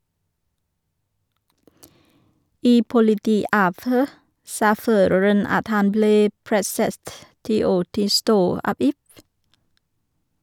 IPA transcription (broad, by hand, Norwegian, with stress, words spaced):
ˈiː pʊlɪˈtiːˌɑːʋˌhøː ˈsɑː ˈføːɾəɹən ˈɑt ˈhɑn ˈbleː ˈpɾɛsət ˈtiː ˈoː ˈtɪlˌstoː ˈɑːb ˈɪf